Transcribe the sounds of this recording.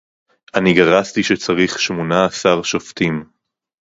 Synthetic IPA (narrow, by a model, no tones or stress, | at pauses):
aniɡaʁastiʃet͡saʁiχʃmonaːsaʁʃoftim